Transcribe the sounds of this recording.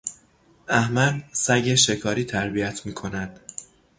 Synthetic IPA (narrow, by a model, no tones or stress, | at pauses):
æhmælsæɟeʃe̞kʰɒːɾiːt̪ʰæɾbijæt̪ʰmiːkʰo̞næd̪̥